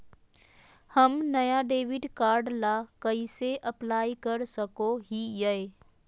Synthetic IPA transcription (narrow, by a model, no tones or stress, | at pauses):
həmnɐjaɖeːʋɪɖkaːɾɖlakəiseʔɐplaːikəɾsəkoɦijəe